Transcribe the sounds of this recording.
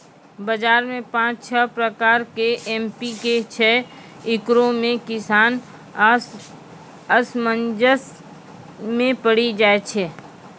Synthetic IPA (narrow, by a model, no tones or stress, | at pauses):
bəd͡ʒaːɾmẽpãːt͡ʃt͡ʃʰəpɾəkaːɾkeʔɛːmpiket͡ʃʰɛː | ɪkɾõmẽkɪsaːn | əsmənd͡ʒəs | mẽpəɽid͡ʒaːet͡ʃʰɛː